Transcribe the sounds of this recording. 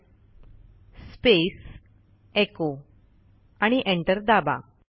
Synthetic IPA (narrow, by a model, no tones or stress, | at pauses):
spes | eko | aɽ̃iʔeɳʈəɾd̪aba̰